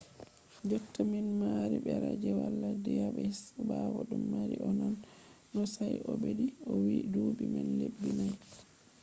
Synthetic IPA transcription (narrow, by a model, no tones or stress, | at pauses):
d͡ʒɔtːaminmaɾibɛɾad͡ʒɛwalːadɛjaɓɛhisbawɔɗumːaɾiʔɔnanː | ɔsajʔɔbediɔwidubimɛnlebːinaj